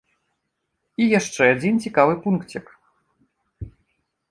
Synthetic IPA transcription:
ijaʂt͡ʂɛad͡zʲint͡sʲikavɨpunkt͡sʲɛk

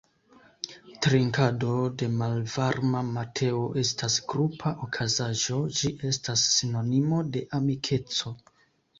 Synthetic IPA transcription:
tɾiŋkado̞de̞malvaɾmamatʰe̞oʔe̞stasɡɾupʰaʔokʰazaʒo̞d͡ʒiʔe̞stasːino̞nimo̞de̞ʔamikʰe̞t͡so̞

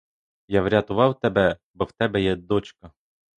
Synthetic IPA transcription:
jaʋɾʲat̪ʊʋɑwt̪ɛbɛbɔwt̪ɛbɛjɛd̪ɔt͡ʃkɐ

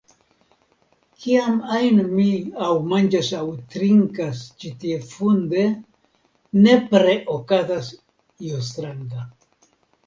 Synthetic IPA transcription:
kʰiamajnomiawmand͡ʒasawt̪ɾiŋkast͡ʃit̪iefund̪e | nepɾeʔokat̪as | jost̪ɾaŋd̪a

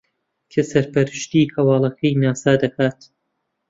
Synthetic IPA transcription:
kʰesɐɾpɐɾɨʃt̪ihɐwɑːlˠɐkʰɐjnaːsaːd̪ɐkʰaːt̪

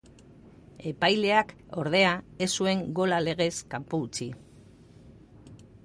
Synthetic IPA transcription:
e̞pajle̞ako̞ɾðe̞ae̞sue̞ŋɡo̞lale̞ɣ̞e̞skampuːt͡si

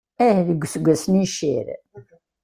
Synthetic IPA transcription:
æhðəɡʷːsɡʷːæsniʃḭɾ

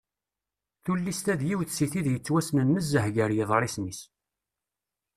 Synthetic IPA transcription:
θulːist̪æðjiwθsiθiðjət͡sːwæsnənːəzːəhɡəɾjəðˤɾˤɪsnis

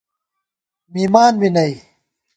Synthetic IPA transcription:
miːmaːnwinɐj

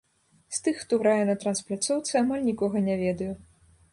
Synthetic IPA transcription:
st̪ɨxːt̪ɔɾajɛnɐt̪ɾɐnsplʲat̪sɔwt̪sɨamalʲnʲikɔɣɐnʲɛvʲɛd̪ɐju

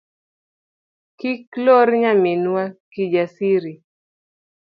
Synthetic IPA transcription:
kikloɾɲaminwakid͡ʒasiɾi

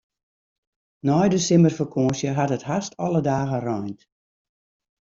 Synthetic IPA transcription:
nɔjdəsɪmərfəkʰoːsjəɦatəthastɔlˠədaːɣərɔjnt

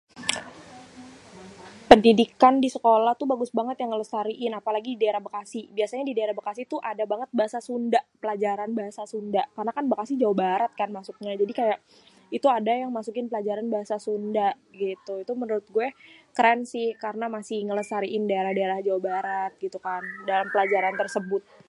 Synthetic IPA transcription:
pəndidikandisəkolaht̪ubaɡʊsbaŋət̪jaŋːələsaɾiʔɪnapalaɡididaeɾahbakasibiasaɲadidaeɾahbakasit̪uʔadabaŋət̪̚baɦasasundaʔpəlad͡ʒaɾanbaɦasasundaʔkarənakanbakasihd͡ʒawabaɾat̪̚kanmasuk̚ɲad͡ʒadikajaʔ | it̪uadajaŋmasukɪnpəlad͡ʒaɾanbaɦasasundaʔ | ɡit̪uit̪umənəɾʊt̪̚ɡuɛkəɾɛnsɪhkaɾənamasɪhŋələsaɾiʔɪndaeɾahdaeɾahd͡ʒawabaɾat̪̚ɡit̪ukandalampəlad͡ʒaɾant̪ərsəbʊt̪̚

